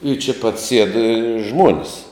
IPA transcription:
ɪ t͡ʃʲɛ pɐt sʲiɛt ʒmuɔnʲsʲ

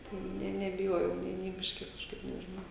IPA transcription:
tɐɪ ˈnʲɛ nʲɛbʲɪˈjoːjɛʊ nʲeː nʲeː ˈbʲɪʃʲkʲɪ kɐʃˈkɐɪp nʲɛʒʲɪˈnɐʊ

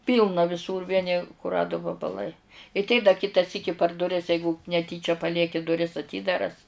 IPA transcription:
ˈpʲiːlˠnɐ ʋʲɪˈsuːr ˈʋʲiɛnʲɪ kʊˈrɑːdʊ ʋɐbɐˈlˠɐɪ ɪ tʲɛɪ dɐ ˈkʲɪtɐ ˈsʲiːkʲɪ pɐr dʊˈrʲɪs ˈjɛɪɡʊ nʲɛˈtʲiːt͡ʃʲɛ pɐˈlʲiɛkʲɪ dʊˈrʲɪs ɐˈtʲiːdɐrɐs

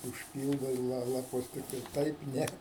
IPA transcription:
ʊʃʲˈpʲiːlˠdɐɪ lˠɐ lˠɐˈpʊs ˈtʲɪktɐɪ ˈtɐɪp ˈnʲɛ

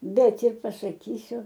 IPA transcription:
ˈbʲɛt ɪr pɐsɐˈkʲiːsʲʊ

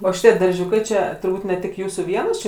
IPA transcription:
ˈoː ˈʃʲɪtʲiɛ dɐrʲˈʒʲuːkɐɪ t͡ʃʲɛ tʊrˈbuːt nʲɛ ˈtʲɪk ˈjuːsuː ˈʋʲiɛnoːs ˈt͡ʃʲɪ

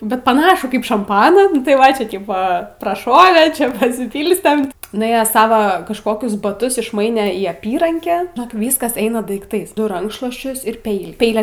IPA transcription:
bʲɛt pɐˈnɑːʃuː ˈkɐɪp ʃɐmˈpɑːnɑː nʊ tɐɪ ˈʋɐ ˈt͡ʃʲɛ ˈtʲiːpoː prɐˈʃoːʋʲeː ˈt͡ʃʲɛ pɐsʲɪˈpʲiːlʲsʲtʲɛm nʊˈeːjæːs ˈsɑːʋɐ kɐʃˈkoːkʲʊs bɐˈtʊs ɪʃˈmɐɪnʲɛ iː ˈɑːpʲiːrɐŋʲkʲæː ʒʲɪˈnoːk ˈʋʲiːskɐs ˈɛɪnɐ dɐɪkˈtɐɪs nʊ ˈrɐŋkʃlˠuɔsʲt͡ʃʲʊs ɪr ˈpʲɛɪlʲiː ˈpʲɛɪlʲɛ

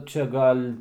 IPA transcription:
ˈt͡ʃʲɛ ˈɡɐlʲ

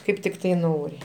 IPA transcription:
ˈkɐɪp tʲɪkˈtɐɪ ˈnoːrʲɪ

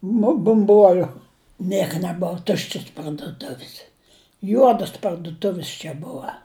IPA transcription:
nʊ bʊmˈbuɔlʲʊ ˈnʲiɛkɐ nʲɛˈboːw ˈtʊʃʲt͡ʃʲɪs pɐrdʊˈtʊʋʲɪs ˈjuɔdʊs pɐrdʊˈtʊʋʲɪs t͡ʃʲɛ ˈbʊɐ

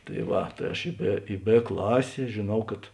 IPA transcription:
tɐɪ ˈʋɐ tɐɪ ˈɐʃ ɪ ˈbʲeː ɪ ˈbʲeː ˈklˠɑːsʲeː ʒʲeːˈnɐʊ kɐt

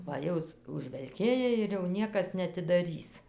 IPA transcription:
ʋɐ ˈjɛʊ s ʊʒʲʋʲɛlʲˈkʲeːjɛ ɪr jɛʊ ˈnʲiɛkɐs nʲɛɐtʲɪdɐˈrʲiːs

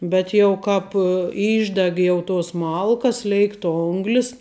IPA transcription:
bʲɛt jɛʊ ˈkɑːp ˈiːʒʲdʲɛk ˈjɛʊ toːs ˈmɐlˠkɐs ˈlʲɛɪkt ˈoːŋɡlʲɪs

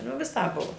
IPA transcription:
nʊ ʋʲɪˈsɑːp ˈbʊʋoː

